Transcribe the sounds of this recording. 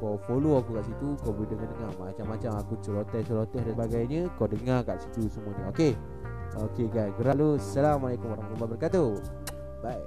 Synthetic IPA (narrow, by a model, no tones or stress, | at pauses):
kɔfoloakukaʔsit̪ukɔbolidəŋadəŋarmat͡ʃamːat͡ʃamakut͡ʃəlot̪ɛsəlot̪ɛhdabaɡajɲə̃kadəŋarkaʔsit̪usəmuəɲəoke | okeɡajsɡəɾaʔlusalamalakumaɾaŋt̪umbabərkat̪u | baj